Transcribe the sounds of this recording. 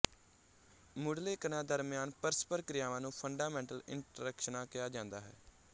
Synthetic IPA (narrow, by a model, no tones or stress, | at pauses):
mʊɽleːkənãːd̪əɾmɪjaːnpəɾspəɾkɾɪjaːʋãːnũːpʰəɳɖaːmɛ̃ːɳʈəlɪ̰ɳʈɾəkʃənãːkɪjaːd͡ʒãːnd̪aːɦɛ̰ː